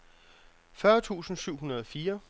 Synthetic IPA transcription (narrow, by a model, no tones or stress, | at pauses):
fɶɐt͡sʰṵːsn̩syʊ̰ɦunɐð̞ˠɒfiːɐ